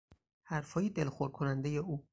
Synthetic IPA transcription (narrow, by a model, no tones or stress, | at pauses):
hæɾfɒːjed̪elxoɾ̚kʰonænd̪ejeuː